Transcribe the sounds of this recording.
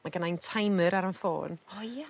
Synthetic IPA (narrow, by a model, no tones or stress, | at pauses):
maɡənajntʰajməɾaɾənfo̰ːnɔja